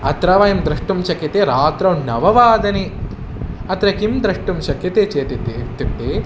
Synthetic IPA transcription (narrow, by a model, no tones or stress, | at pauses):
ɐ̰t̪ɾɐʋɐjɐmd̪ɾɐʂʈumt͡ʃɐkjɐt̪eɾaːt̪ɾɐwnɐʋɐʋaːd̪ɐni | ɐt̪ɾɐkimd̪ɾɐʂʈumʃɐkjɐt̪et͡ʃeːt̪it̪it̪ipʈːe